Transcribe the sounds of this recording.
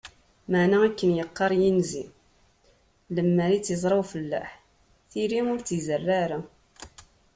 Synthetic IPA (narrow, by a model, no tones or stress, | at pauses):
məʕnaækːənjəqːɑɾˤjinzi | ləmːəɾit͡sːizˤɾˤɑwfəlːæ̰ħ | θiɾiʊɾt͡sizərːaɾa